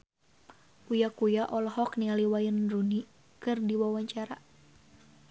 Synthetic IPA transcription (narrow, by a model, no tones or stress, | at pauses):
ʔujakujaʔɔlɔhɔknialiwajənruni | kɨrdiwawaɲt͡ʃaɾa